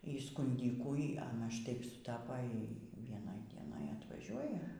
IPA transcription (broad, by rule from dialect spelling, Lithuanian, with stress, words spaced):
iː skʊnʲˈdʲiːkuː iː ˈɑːnɐ ʃˈtɐɪp sʊˈtɑːpɐ ˈiː iː ʋʲiɛˈnoːj dʲiɛˈnoːj ɐtʋɐˈʒʲuɔjɛ